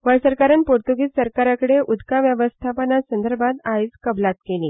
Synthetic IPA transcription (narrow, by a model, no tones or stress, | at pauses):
ʋəɭsəɾkaɾanpoɾt̪uɡiːt͡ssəɾkaɾakəɽeʔud̪kaʋjəʋəst̪ʰapənasənd̪əɾbʱat̪ajd͡zkəblat̪keliː